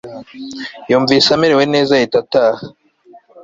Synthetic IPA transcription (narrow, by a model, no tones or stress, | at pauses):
juːɱviːsamiɾewe̞ne̞ːzajitataːha